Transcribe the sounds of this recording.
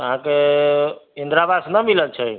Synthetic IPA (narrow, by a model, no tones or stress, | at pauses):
əɦãke | ind̪ɾabasnəmiləlt͡ʃʰəj